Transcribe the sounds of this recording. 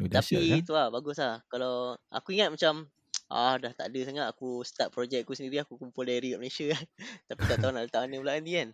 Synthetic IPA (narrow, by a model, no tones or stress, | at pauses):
d̪ait̪uabaɡʊslahkalawʔa̰kuiŋat̪̚mat͡ʃam | ʔa̰daht̪a̰ʔdəsaŋat̪̚akusə̥t̪aʔ̚pɾod͡ʒɛk̚kusəndiɾiakukumpʊldaɾikaʔməlesjakant̪apik̪aʔt̪aɦunaʔdət̪anĩulaʔandian